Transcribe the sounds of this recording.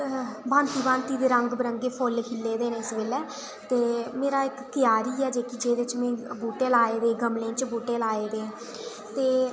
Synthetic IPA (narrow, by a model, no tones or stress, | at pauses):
bãːnt̪iːbãːnt̪iːd̪eːɾəŋɡbəɾəŋɡeːpʰolkʰɪlːeːd̪eːnẽːɪsʋeːlɛː | t̪eːmeːɾaːɪkkɪjaːɾiːɛːd͡ʒeːkɪd͡ʒeːd̪ɪt͡ʃmɛ̃ːbuːʈeːlaːeːd̪eːɡəmlẽːt͡ʃboːʈeːlaːeːd̪eː | t̪eː